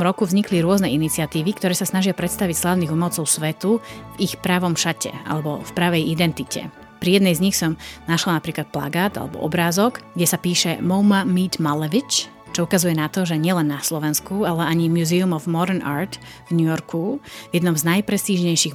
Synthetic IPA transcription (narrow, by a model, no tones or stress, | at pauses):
mɾɔkuvzɲikliɾʊɔznɛinit͡sɪat̪iːʋikt̪ɔɾɛːsasnaʒɪapɾɛt̪st̪aʋicslaːʊniɣumɔlt͡sɔʊsʋɛt̪uvixpɾaʋɔmʃacɛ̰a̰lɛbɔ̰fpɾaʋɛjid̪ɛnt̪icɛ̰ | pɾijɛd̪nɛjzɲixsɔmnaʃlanapɾiːklat̪̚pla̰ɡaːd̪a̰lɛ̰bɔ̰ʔɔ̰bɾaːzɔɡɡɟɛsapiːʃɛmɔʊmamiːt̪malɛʋit͡ʃ | t͡ʃɔukazujɛnat̪ɔʒɛɲɪɛlɛnːaslɔʋɛnskualɛaɲimjuziumɔvmɔɾɛna̰ːɾt̪ | vɲujɔɾkʰuvjɛd̪nɔmznajpɾɛst̪iːʒɲɛjʃiɣ